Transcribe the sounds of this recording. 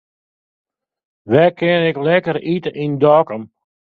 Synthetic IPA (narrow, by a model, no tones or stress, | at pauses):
ʋɛkʰɪnɪklɛkəɾitəʔindɔːkəm